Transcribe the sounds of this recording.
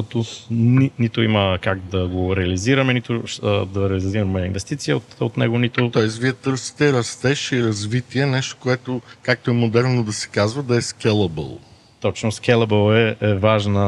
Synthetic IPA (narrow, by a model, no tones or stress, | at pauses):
ɔt̪oninit̪oiməkaɡd̪ɐɡoɾɛɐliziɾəmɛnit̪od̪ɐɾɛliziɾɐmɛinvɛst̪it̪sijəot̪ot̪nɛ̰ɡonit̪ot̪ɔɛs̬viɛt̪ɤɾsi̥t̪ɛɾɐst̪ɛʃiɾɐzvit̪iɛnɛʃt̪o̥koɛt̪okak̚t̪oɛmod̪ɛɾnod̪ɐsɛ̥kazvɐd̪ɐɛskʲɛlˠɐbə̰lˠ | t̪ɔt͡ʃnosk̟ɛlˠɐbəlˠɛɛvaʒnə